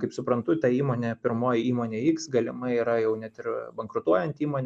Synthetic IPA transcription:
kɐɪpsʊpɾɐnt̪ʊt̪ɑiːmoːnʲeːpʲɪɾmoːjiːmoːnʲeːiːksɡɐlʲɪmɐɪiːɾɐjɛʊnʲɛt̪ɪɾbɐŋkɾʊt̪uɔjɛnʲt̪ʲiːmoːnʲ

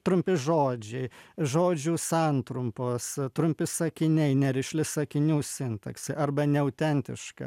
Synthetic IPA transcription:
t̪ɾʊmʲpʲɪʒoːd͡ʒʲɛɪʒoːd͡ʒʲuːsɐnt̪ɾʊmpoːst̪ɾʊmʲpʲɪsɐkʲɪnʲɛɪnʲɛɾʲɪʃʲlʲɪsɐkʲɪnʲuːsʲɪnt̪ɐksʲɛʔɐrbɐnʲɛɐʊt̪ʲɛnʲt̪ʲɪ̰ʃkɐ̰

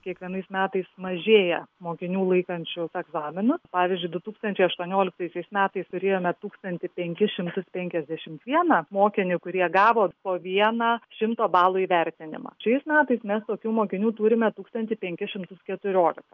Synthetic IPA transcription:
kʲiɛkʋʲiɛnɐɪsmʲæːt̪ɐɪsmɐʒʲeːjɛmoːkʲɪnʲuːlˠɐɪkɐnʲt͡ʃʲʊsɛɡzɑːmʲɪnʊspɑːʋʲɪzʲd͡ʒʲʊɪd̪ʊt̪uːkst̪ɐnʲt͡ʃʲɛɪɐʃt̪uɔnʲoːlʲɪk̚t̪ɐɪsʲɛɪsmʲæːt̪ɐɪst̪ʊɾʲeːjoːmʲɛt̪uːkst̪ɐnʲt̪ʲɪpʲɛŋʲkʲɪʃʲɪmt̪ʊspʲɛŋʲkʲɛzʲd̪ʲæʃʲɪmt̪ʋʲiɛnɑmoːkʲɪnʲɪkʊɾʲiɛɡɑːʋoːpoːʋʲiɛnɑːʃʲɪmt̪oːbɑːlˠuiːʋʲɛɾʲt̪ʲɪnʲɪ̰mɑ̰ːʃɛɪsmʲæːt̪ɐɪsmʲɛst̪oːkʲuːmoːkʲɪnʲuːt̪uːɾʲɪmʲɛt̪uːkst̪ɐnʲt̪ʲɪpʲɛŋʲkʲɪʃʲɪmt̪ʊskʲɛt̪ʊɾʲoːlʲɪkɐ

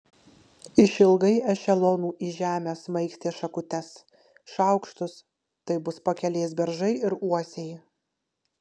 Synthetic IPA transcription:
ɪʃʲɪlˠɡɐɪɛʃʲɛlˠoːnuːʔiʒʲæːmʲesmɐɪksʲt̪ʲeːʃɐkʊt̪ʲɛs | ʃɐˑʊkʃt̪ʊs | t̪ɐɪbʊspɐkʲɛlʲeːsbʲɛɾʒɐɪɪɾuɔsʲej

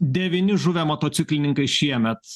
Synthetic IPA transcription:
d̪ʲɛʋʲɪnʲɪʒʊʋʲeːmoːt̪oːsʲɪklʲɪnʲɪŋkɐɪʃʲiɛmʲɛt̪

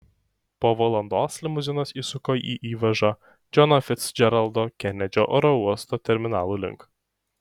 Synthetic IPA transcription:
poːʋɔlˠɐnd̪oːsʲlʲɪmʊzʲɪnosiːsʊkoːiːʔiːʋɐʒɑ | d͡ʒʲɔnɔfʲɪt̪sd͡ʒʲɛɾɐlˠd̪oːkʲɛnʲɛd͡ʒʲoʔɔːɾɔuɔst̪oːt̪ʲɛɾʲmʲɪnɑːlˠuːlʲɪ̰ŋk

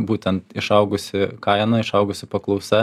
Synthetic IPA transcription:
buːt̪ʲɛnt̪ɪʃɐʊɡʊsʲɪkɐɪnɐɪʃɐʊɡʊsʲɪpɐklˠɐʊsɛ

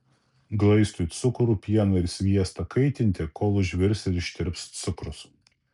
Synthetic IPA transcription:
ɡlˠɐɪst̪ut̪sʊkɾupʲiɛnɐɪɾsʲʋʲiɛst̪ɐkʰɐɪt̪ʲɪnʲt̪ʲɪkoːlˠʊʒʲʋʲɪɾʲsʲɛlʲɪʃʲt̪ʲɪɾʲpst̪sʊkɾʊs

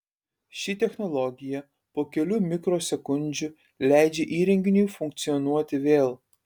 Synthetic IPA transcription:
ʃʲɪt̪ʲɛxnɔlˠɔɡʲɪjɛ | poːkʲɛlʲʊmʲɪkɾoːsʲɛkʊnʲˑd͡ʒʲʊ | lʲæˑɪd͡ʒʲɛʔiːɾʲɛŋʲɡʲɪnʲuːfʊŋk̚t̪sʲijɔnuɔt̪ʲɪʋʲeːlˠ

